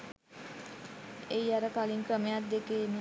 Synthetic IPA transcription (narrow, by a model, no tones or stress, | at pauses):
ejaɾəkaliŋkrəmejat̪̚d̪ekeːn